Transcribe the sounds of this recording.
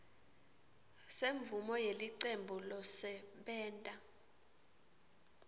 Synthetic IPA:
seɱvumɔjeliǀembʱulɔsɛɓɛːntʼa

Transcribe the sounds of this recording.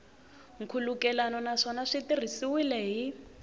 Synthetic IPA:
ŋ̩kʰulukɛlanɔnaʂɔnaʂitir̤isiwilɛːɦi

